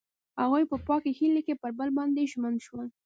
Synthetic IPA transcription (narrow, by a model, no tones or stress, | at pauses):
haɣujpəpɑkehilekepəɾbəlbɑnd̪eʒmand̪ʃwəl